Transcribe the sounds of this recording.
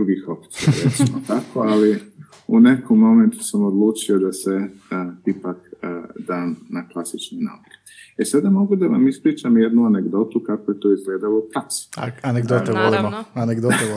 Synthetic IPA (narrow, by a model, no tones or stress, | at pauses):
ɾuɡixo̞pt̪iaɾe̞t̪imot̪ako̞ali | une̞kʰomːo̞me̞nt̪u̥samo̞d̪lˠuːt͡ʃio̞d̪ase̞ipakd̪aːmnaklˠasit͡ʃnojna̰uke̥ | esad̪amo̞ɡud̪aʋamispɾiːt͡ʃamje̞d̪nuane̞ɡd̪o̞t̪ukako̞je̞t̪o̞izɡle̞ːd̪alop̪ɾasa̰aneɡd̪ot̪eʋolimoaneɡd̪ot̪e